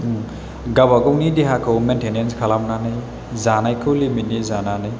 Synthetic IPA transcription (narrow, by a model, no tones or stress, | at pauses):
ɡabaɡɯwnideɦakʰɯwmentʰenenskʰalamnanɯj | zanajkʰɯwliminizananɯj